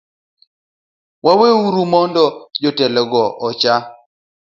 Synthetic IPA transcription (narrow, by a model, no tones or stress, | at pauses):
waweuɾumɔndɔd͡ʒɔtɛlɛɡɔʔɔt͡ʃa